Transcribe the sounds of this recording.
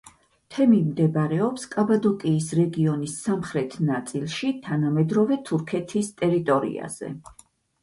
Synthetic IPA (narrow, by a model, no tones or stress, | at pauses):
t̪ʰɛmimd̪ɛbaɾɛɔpskʼabad̪ɔkʼiːsɾɛɡiɔnisːamχɾɛt̪ʰnat̪sʼilˠʃit̪ʰanamɛd̪ɾɔvɛt̪ʰuɾkʰɛt̪ʰist̪ʼɛɾit̪ʼɔɾḭa̰z̥ɛ̰